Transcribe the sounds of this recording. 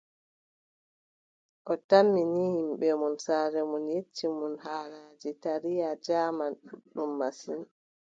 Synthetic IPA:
ʔɔtamːinihimɓɛmunsaːɾɛmunjet͡ʃːimunhaːɾaːd͡ʒitaɾijad͡ʒaːmanɗuɗːumːasin

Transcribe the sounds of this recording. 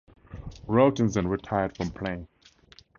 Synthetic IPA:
ɹoʊtɨ̃nzɨ̃nɹətʰaɪəd̥fɹɔ̃mpʰl̥ẽɪ̃n

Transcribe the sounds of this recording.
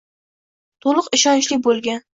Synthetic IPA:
t̪ʰolˠʊqɪʃɒnt͡ʃlɪk̚ʲbolˠɡʲan

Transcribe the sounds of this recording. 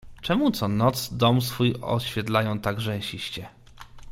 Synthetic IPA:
t͡ʂɛmut̪sɔnɔt̪sd̪ɔmsfujɔ̰ɕfʲjɛd̪lajɔ̃w̃t̪aɡʐɛ̃ɕiɕt͡ɕɛ

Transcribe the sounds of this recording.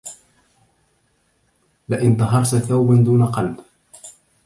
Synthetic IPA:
lɪʔɪnt̪ɑɦɑɾˤt̪θawband̪uːnaqɑlb

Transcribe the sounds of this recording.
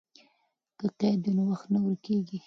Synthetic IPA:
kəqed̪unawaxt̪nawəɾkeɡi

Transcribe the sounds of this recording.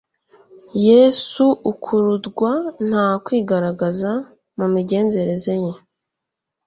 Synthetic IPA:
jeːsuukʰuɾudɡwan̥haːkwiːɡaɾaɡaza | mumiɟe̞ːnze̞ɾe̞ze̞je

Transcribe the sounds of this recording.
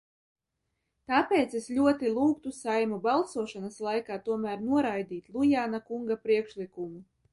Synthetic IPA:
t̪aːpɛːt̪seslʲuɔt̪ilˠuːk̚t̪usajmubalˠsuɔʃanaslˠajkaːt̪uɔmæːɾnuɔɾajd̪iːt̪lˠujaːnakuŋɡapɾiɛkʃlikumu

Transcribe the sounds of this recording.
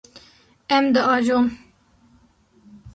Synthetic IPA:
ɛmd̪əʔɑːʒom

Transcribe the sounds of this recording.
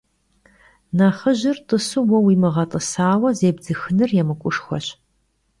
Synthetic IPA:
naːχəʑɪrtʼəsuwɔwiːmɨʁɐtʼəsaːwɐzeːbzɨxɨnɨrjɛmɨkʷʼʊʂxʷɔ̰ɕ

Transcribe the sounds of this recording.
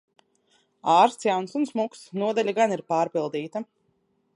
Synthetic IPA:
aːɾst̪jansunsmuksnuɔd̪alʲaɡaniɾpaːɾpilˠd̪iːt̪a

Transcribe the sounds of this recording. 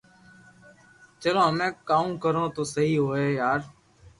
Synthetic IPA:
t͡ʃəlõːɦəmẽːkaːũːkəɾõːt̪oːsəɦiːɦoːeːjaːɾ

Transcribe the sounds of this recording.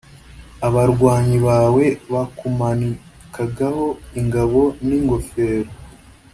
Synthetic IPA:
aβaɾɡwaːɲiβaːwe̞βakumani | kʰaɡaho̞iŋɡaβo̞niŋɡo̞fe̞ːɾo

